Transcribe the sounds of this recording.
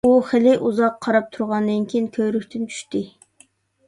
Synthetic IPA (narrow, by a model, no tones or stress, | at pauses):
uχɪlɪʔuzɑqʰːɑɾɑp̚t̪ʰuɾʁɑnd̪ɪnkʲʰijnkʲʰøjɾykʲt̪ɪnt͡ʃʰy̥ʃt̪ɪ